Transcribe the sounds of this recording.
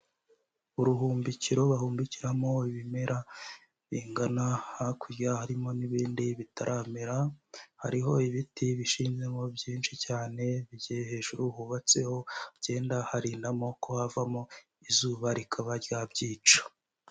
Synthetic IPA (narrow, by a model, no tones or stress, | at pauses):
uɾuɦuːmbiciɾo̞βahuːmbiciɾamo̞iβime̞ɾa | βiːŋɡanahakʰuɾjahaɾimo̞niβiːndiβitʰaɾʔameɾaha̰ɾiɦo̞iβitiβiʃiːnze̞mo̞bɟiːnʃicaːne̞βiɟijehe̞ːʒuɾuhuːβat͡se̞ho̞ɟe̞ːndahaɾiːndamo̞kʰo̞havamo̞ | izuːβaɾikʰaβaɾjabɟiːt͡ʃo̥